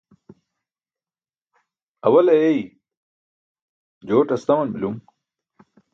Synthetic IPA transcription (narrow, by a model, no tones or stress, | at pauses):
ɐwɐlɐjej | d͡ʑoːʈɐst̪ɐmɐnbilum